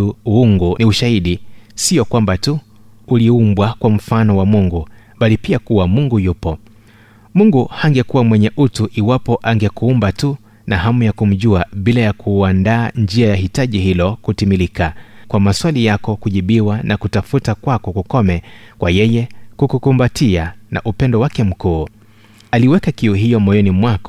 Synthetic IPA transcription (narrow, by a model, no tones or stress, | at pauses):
uuŋɡuniuʃahiɗisijɔkwambatu | uliumbwakwam̩fanɔwamuŋɡu | ɓalipiakuwamuŋɡujupɔ | muŋɡuhaŋɡɛkuwamwɛɲɛʔutuʔiwapɔʔaŋɡɛkuumbatu | naɦamujakum̩ʄuaɓilajakʰuandaːnd͡ʒiajaɦitaʄiɦilɔkutimilikakwamaswalijakɔkuʄiɓiwanakutafutakwakɔkukɔmɛkwajɛjɛkukukumbatiana̰ʔupɛndɔwakɛm̩kuː | aliwɛkakiuɦijɔmɔjɔnimwakɔ